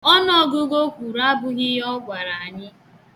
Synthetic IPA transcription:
ɔ˦nɔ˨˦˨ɡʊ˦ɡo˦kʷu˨ɾa˦bʊ˦ɣɪ˦ɔ˦ɡʷa˨ɾa˨a˨ɲɪ˦

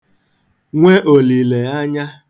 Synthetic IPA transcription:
ŋʷe˦ʔo˨li˨le˨a˦ɲa˦

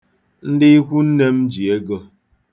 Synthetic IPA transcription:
n̩˦dɪ˦i˦kʷu˦n̩˦ne˦m̩˦d͡ʒi˨e˦ɡo˦

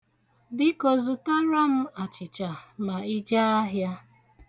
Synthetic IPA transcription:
bɪ˦kɔ˨zʊ˨ta˦ɾa˦m̩˦a˨t͡ʃɪ˨t͡ʃa˨ma˨i˦d͡ʒa˦a˦ɦja˦

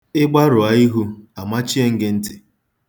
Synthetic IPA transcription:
ɪ˦ɡ͡ba˦ɾʊ˨a˦i˦ɦu˦a˨ma˦t͡ʃi˦e˦ŋ̩˦ɡɪ˦n̩˦tɪ̥˨

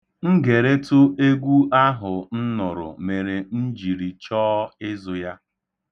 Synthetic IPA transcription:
ŋ̩˦ɡe˨ɾe˦tʊ˦ʔe˦ɡʷu˦ʔa˦ɦʊ˨n̩˦nʊ˨ɾʊ̰˨me˨ɾe˨n̩˦d͡ʒi˨ɾi˨t͡ʃɔː˦ɪ˦zʊ˨ja˦

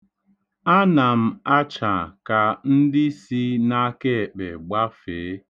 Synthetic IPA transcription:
a˦na˨m̩˦a˦t͡ʃa˨ka˨n̩˦dɪ˦si˦na˦ke˦˨k͡pe˨ɡ͡ba˦feː˨˦

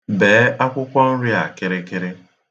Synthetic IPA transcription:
beː˨˦a˦kʷʊ˦kʷɔ˦n̩˦ɾi˦a˨kɪ˦ɾe˦ke˦ɾe˦

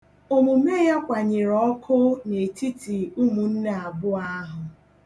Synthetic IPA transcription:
o˨mu˨me˦ja˦kʷa˨ɲɪ˨ɾɔ˦kʰʊ˦ne˨ti˦ti˨u˦mu˨n̩˦na˨a˨bʊ˦a˦ɦʊ˨

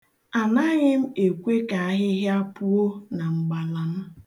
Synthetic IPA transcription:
a˨na˦ɣɪ˦m̩˦e˨kʷe˦ka˨a˦ɦɪ˦ɦɪ˦a˦pu˦o˦na˨ŋ͡m̩˨ɡ͡ba˨la˨n̩˦

